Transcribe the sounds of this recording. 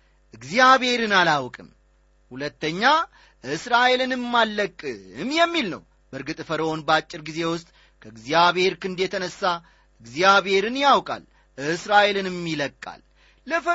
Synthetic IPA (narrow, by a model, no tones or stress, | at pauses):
ʔɨɡzjaβhe̞ɾɨnalawkʼɨm | hulət̪ːəɲːa | ʔɨsɾaʔe̞lɨnɨmmːalːəkʼːɨmjɛmːilnə̰w | bəɾɡɨt̪ʼfəɾəwonbəat͡ʃʼːɪɾɡize̞wʊst̪ʼ | kʰəɨɡzjaβhe̞ɾkɨnd̪jɛt̪ʰənəsːa | ʔɨɡzijaβe̞ɾɨnjawkʼa̰l | ɨsɾaʔe̞lɨnɨmːiləkʼːa̰lː | əfə